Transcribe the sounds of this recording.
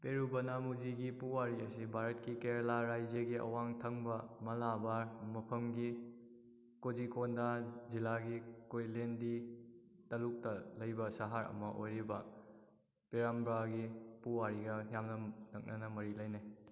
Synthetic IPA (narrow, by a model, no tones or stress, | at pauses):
peɾubɐnɐmud͡ʒiɡipuwaɾiɐsibʱaɾɐt̚kikeɾlaɾajd͡ʒəɡiʔɐ̰waŋtʰɐŋbɐmɐlabamɐpʰɐmɡi | kod͡ʒikondazilaɡikojlendi | tɐluk̚tɐlɐjbɐsaɦaɾɐ̰mɐʔojɾibɐ | peɾambɾaɡipuwaɾiɡɐjamnɐnɐk̚nɐnɐmɐɾilɐjne